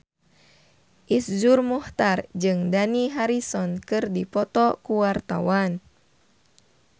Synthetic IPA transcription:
ʔisd͡ʒurmuht̪ard͡ʒɨŋdaniɦaɾisɔnkɨrdipɔt̪ɔkuwart̪a̰wan

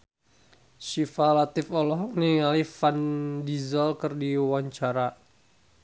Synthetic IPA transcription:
ʃifalat̪ɪfɔlɔɦɔk̚niŋalifandizɔlkərdiwaɲt͡ʃaɾa

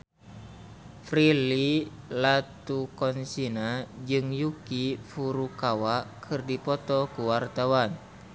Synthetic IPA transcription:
fɾili | lat̪ukɔnsinad͡ʒɨŋjukifuɾukawaʔkʰɨrdipɔt̪ɔkuwart̪awan

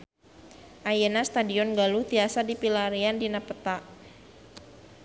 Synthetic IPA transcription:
ʔajɛnast̪adiɔnɡaluht̪iasadipilaɾiandinapət̪aʔ

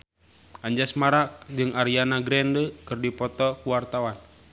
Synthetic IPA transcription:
aɲd͡ʒasmaɾak̚d͡ʒɨŋaɾianaɡɾɛndəkɨrdipɔt̪ɔkuwart̪awan

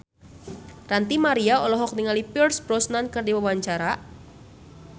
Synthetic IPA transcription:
rant̪imaɾiaɔlɔɦɔk̚niŋalipɛrsbɾɔsnankɨrdiwawaɲt͡ʃaɾa

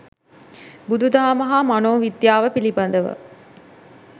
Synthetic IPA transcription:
bud̪ud̪aːməɦamanoːʋid̪jaːʋəpiliband̪əʋə̰

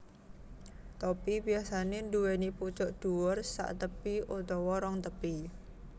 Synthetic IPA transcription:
t̪ɔpibijasanend̪uweniput͡ʃɔʔd̪̥uwɔrsa̰ʔt̪əpiot̪ɔwɔɾɔŋt̪əpi

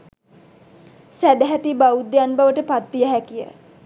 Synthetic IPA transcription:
sæd̪əɦæt̪ibaud̪ːejanbaʋəʈəpat̪ːijəɦækijə̰

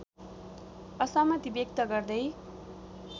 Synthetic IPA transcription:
ʌsʌmʌt̪ibjʌk̚t̪ʌɡʌrd̪ʌj

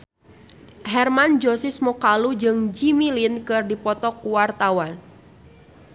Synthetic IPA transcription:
hɛrmand͡ʒosɪsmɔkalud͡ʒɨŋd͡ʒimilinkɨrdipɔt̪ɔkuwart̪awan

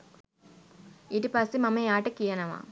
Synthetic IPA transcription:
idipaːsimɐmɐjaːʈɐkijɐnɐʋa̰ː

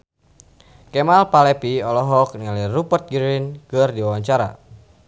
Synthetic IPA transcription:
kɛmalpalɛpiɔlɔɦɔk̚niŋalirupərt̪̚ɡɾinkɨrdiwawaɲt͡ʃaɾa̰

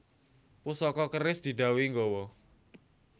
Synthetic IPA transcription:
pusɔkɔkərɪsd̪̥i̤ɖ̪ä̤wiŋɡɔwɔ

